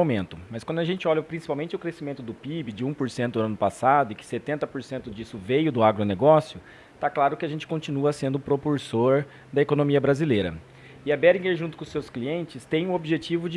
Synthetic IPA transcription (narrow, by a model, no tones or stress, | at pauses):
omẽnt̪ʊmɐskw̃nd̪ʊɐʒẽnt͡ʃɪɔʎɐpɾĩsi̥pawmẽnt͡ʃɪʊkɾesimẽnt̪ʊd̪ʊpibɪd͡ʒɪũpoɾsẽnt̪ʊɐ̃nʊpasad̪ʊɪkɪ̥set̪ẽnt̪ɐpoɾsẽnt̪ʊd͡ʒisʊvejʊd̪ʊaɡɾoneɡɔsjʊ | t̪aklaɾʊkɪaʒẽnt͡ʃɪkõnt͡ʃinuɐsẽnd̪ʊpɾopuɾsoɾ | d̪ɐekonõmiɐbɾazilejɾɐ̰ | ɪabɛɾĩɡeɾʒũt̪ʊ̥kõsːewskliẽnt͡ʃɪst̪ẽj̃ʊ̃obɪʒet͡ʃivʊd͡ʒɪ